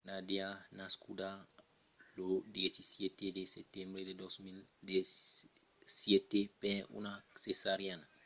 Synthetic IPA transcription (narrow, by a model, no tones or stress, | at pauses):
nadeanaskuda | lod̪iesisjet̪edeset̪ɛ̃mbɾededosmilde | sjɛt̪epɛṵnasesaɾjana